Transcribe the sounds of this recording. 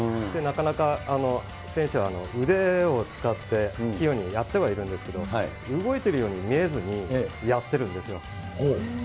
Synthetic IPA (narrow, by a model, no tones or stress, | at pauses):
d̪̥e̞nakanakaːno̞ | sẽ̞ɰ̃ɕɨβaːno̞̰ɯ̟d̪e̞o̞t͡sɨ̥kat̪ːe̞kʲijo̞ɲ̟ijat̪ːe̞β̞aiɾɯ̟nd̪e̞sɨ̥ke̞d̪o̞hi | ɯ̟ɡo̞it̪e̞ɾɯ̟jo̞ːɲ̟imʲie̞zɨɲ̟ijat̪ːe̞ɾɯ̟̃nd̪e̞sɨjo̞̰ | ho